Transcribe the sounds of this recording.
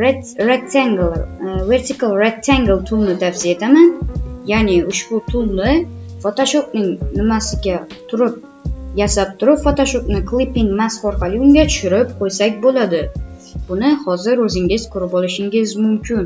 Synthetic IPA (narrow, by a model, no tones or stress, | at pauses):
etɾet̪ʰːaŋɡlˠve̞ɾt̪ɪkalˠɾet̪ʰːaŋɡlˠt̪ʰʊlˠnɪt̪ʰafsijet̪ʰamanjaneʊʃbʊt̪ʰʊlˠnɪfot̪aʃok̚nɪŋnɪmasɪɡʲat̪ʰʊɾʊp̚ | jasap̚t̪ʰʊɾɪpfot̪aʃok̚nɪkʰlˠipɪŋmaskɒɾqʰɑlˠɪʊŋɡʲat̪ʰʊ̥ʃɪɾɪp̚qʰojsakʲbolad̪ɪ | b̥ʊnɪhɒzɪɾɵzɪŋʲɪz̥kʰɵɾɪpɒlˠɪʃɪŋʲɪzmʊmkʲʰɪn